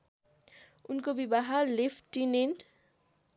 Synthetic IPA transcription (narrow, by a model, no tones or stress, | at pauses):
unkobibaɦalepʰʈːinenʈ